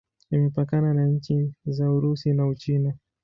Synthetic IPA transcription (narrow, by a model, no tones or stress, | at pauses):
imɛpakananaɲ̩t͡ʃizauɾusinaut͡ʃina